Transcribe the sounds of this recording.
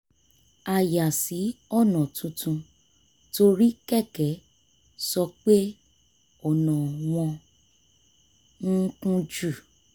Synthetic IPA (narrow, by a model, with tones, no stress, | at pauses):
a˨ja˨si˨˦ɔ˦˨nã˨tʰũ˧˦tũ˧ | to˧ɾi˦kɛ˦˨kɛ˨˦ | sɔ˧k͡pe˦ | ɔ˨nã˨w̃ɔ̃˧ | ŋ̩˦kũ˦d͡ʒu˦˨